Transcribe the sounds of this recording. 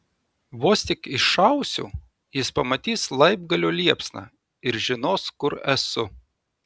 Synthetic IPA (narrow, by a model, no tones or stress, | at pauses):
ʋoːsʲt̪ʲɪkɪʃʃɐʊsʲṵː | jɪspɐmɐt̪ʲiːslˠɐɪb̚ɡɐlʲoːlʲiɛpsnɑ̰ | ɪɾʒʲɪnoːskʊɾɛsʊ